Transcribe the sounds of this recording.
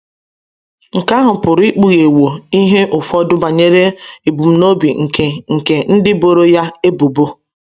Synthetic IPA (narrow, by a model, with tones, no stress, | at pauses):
ŋ̩˨ka˦ɦʊ˨pʊ˨ɾi˦k͡pu˨ɣe˨wo˨i˦ɦe˦ʔʊ˨fɔ˦dʊ˦ba˨ɲe˦ɾe˦e˨bu˨m̩˦no˦bi˨ŋ̩˨ke˨ŋ̩˨ke˨n̩˦dɪ˦bo˨ɾo˦ja˦e˦bo˨bo˦